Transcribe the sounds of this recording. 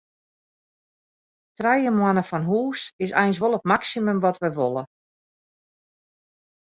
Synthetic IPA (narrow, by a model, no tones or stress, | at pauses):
trɛjəmwanəfɔnɦuːsɪsɛ̰jns̬ʋolˠətmaksiməmʋɔtʋɛʋolˠə